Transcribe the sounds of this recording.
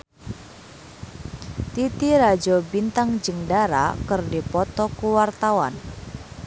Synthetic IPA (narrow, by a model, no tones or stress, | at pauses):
t̪it̪iɾad͡ʒɔbint̪aŋd͡ʒəŋdaɾa̰kɨrdipɔt̪ɔkuwart̪awan